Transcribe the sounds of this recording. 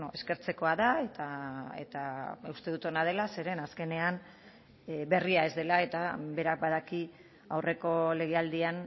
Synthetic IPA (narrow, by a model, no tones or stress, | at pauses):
noe̞ske̞ɾt͡se̞ko̞aðae̞t̪aḛt̪aust̪e̞ðut̪onað̞e̞lase̞ɾe̞naske̞ne̞an | be̞riae̞zðe̞lae̞t̪abe̞ɾak̚bað̞aki | awre̞ko̞le̞ɣ̞eald̪ian